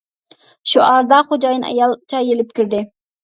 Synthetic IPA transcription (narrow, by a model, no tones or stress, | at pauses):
ʃuʔɑɾd̪ɑχod͡ʒɑjnʔɑ̰jɑlˠt͡ʃʰɑjelɪp̚kʲʰyɾd̪ɪ